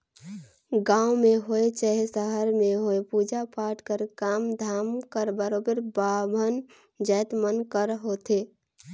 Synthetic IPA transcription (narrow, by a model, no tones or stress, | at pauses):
ɡãːumeɦoet͡ʃəɦesəɦəɾmeɦoepuːd͡ʒapaːʈʰkəɾkaːmd̪ʱaːmkəɾbəɾoːbeɾbabʱən | d͡ʒəːt̪mənkəɾɦot̪ʰe